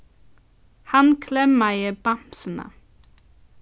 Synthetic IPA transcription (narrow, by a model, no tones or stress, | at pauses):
hɑnkʰlɛmæɪəb̥ɑmsən̩ə̰